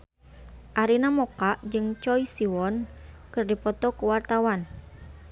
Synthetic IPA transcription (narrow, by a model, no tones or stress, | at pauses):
ʔaɾinamɔkaʔd͡ʒɨŋt͡ʃɔisiwɔnkɨrdipɔt̪ɔkuwart̪awan